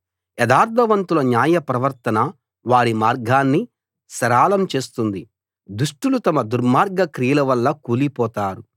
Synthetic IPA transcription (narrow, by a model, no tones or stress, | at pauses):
ɛd̪aːɾt̪ʰɐʋɐnt̪ulɐnjaːjɐpɾɐʋɐɾt̪ɐnɐ | ʋaːɽimaːɾɡʱaːnːi | sɐɾaːlɐmt͡ʃe̞ːst̪und̪i | d̪uʂʈulut̪ɐmɐd̪uɾmaːɾɡʱɐkɾijlɐʋɐlːɐkuːlipɔːt̪aːɾu